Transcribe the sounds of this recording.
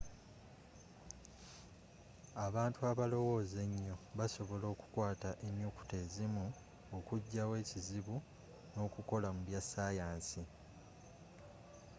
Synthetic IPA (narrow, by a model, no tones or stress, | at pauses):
aβaːntuaβalo̞wo̞ːze̞ɲːo̞βaso̞βo̞lo̞ːku̥kwaːtaʔeɲjoku̥te̞ːzimu | okuɟːawe̞ːciziβu | no̞ːkuko̞lamuβjasaːjaːnsi